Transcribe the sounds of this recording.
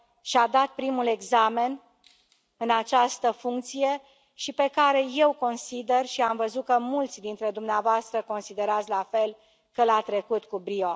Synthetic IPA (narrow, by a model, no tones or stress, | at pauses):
ʃiad̪at̪̚pɾimule̞ɡzame̞n | ɨnat͡ʃast̪əfuŋk̚t̪sije̞ | ʃipe̞kaɾe̞je̞wko̞nsid̪e̞rʃiamvəzut̪̚kəmult̪sʲd̪int̪ɾe̞d̪umneavoast̪ɾəko̞nsid̪e̞ɾat̪sʲlafe̞l | kəlat̪ɾe̞kut̪kubɾio